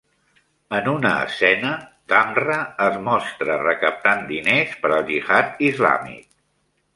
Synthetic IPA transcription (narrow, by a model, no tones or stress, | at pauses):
ənunə̰ːsɛnəd̪amrəəzmɔst̪ɾərəkəp̚t̪and̪inespəɾəlˠʒiɣat̪izla̰mḭk̚